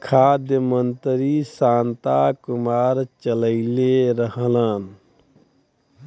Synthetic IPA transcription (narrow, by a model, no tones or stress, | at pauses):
kʰaːd̪jəmənt̪ɾisãːnt̪akʊmaːɾt͡ʃələɪleɾəɦələn